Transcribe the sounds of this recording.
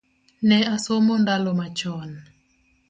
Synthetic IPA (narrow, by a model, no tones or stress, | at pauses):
nɛasomɔndalɔmat͡ʃɔn